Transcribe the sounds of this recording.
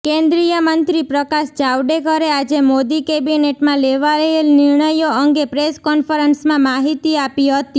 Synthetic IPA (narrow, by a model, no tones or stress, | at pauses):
kẽnd̪ɾijəmənt̪ɾipɾəkaʃd͡ʒaʋɖekəɾead͡ʒemod̪ikebineʈmãleʋaɾeelnɪɾɳəjoəŋɡepɾeskɔnfəɾənsmãmaɦit̪iapiɦət̪i